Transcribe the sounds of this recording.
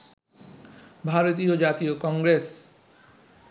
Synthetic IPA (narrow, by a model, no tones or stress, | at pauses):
bʱaɾot̪iod͡ʑat̪iokɔŋɡɾes